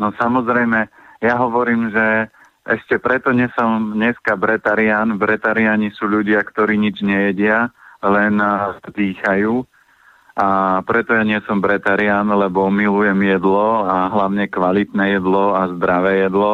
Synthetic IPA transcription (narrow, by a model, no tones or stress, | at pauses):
nɔsamɔzɾɛjmɛjaɦɔʋɔɾiːmʒɛ | ʔɛʃcɛpɾɛt̪ɔɲɛsɔmɲɛskabɾɛt̪aɾɪanbɾɛt̪aɾɪaɲisuːʎuɟɪakt̪ɔɾiːɲid͡ʒɲɛjɛɟɪalɛnd̪iːxajuː | ʔapɾɛt̪ɔjaɲɪɛsɔmbɾɛt̪aɾɪanlɛbɔmilujɛmjɛd̪lɔaɦlaʊɲɛkʋalit̪nɛjɛd̪lɔazd̪ɾaʋɛːjɛd̪lɔ